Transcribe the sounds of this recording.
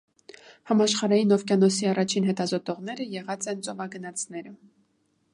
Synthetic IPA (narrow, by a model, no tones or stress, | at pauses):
hɑmɑʃχɑɾɑjinɔvkjɑnɔsiɑrɑt͡ʃʰinɦɛt̪ɑzɔt̪ɔʁn̪ɛɾəjɛʁɑt͡sɛnt͡sɔvɑɡənɑt͡sʰnɛɾə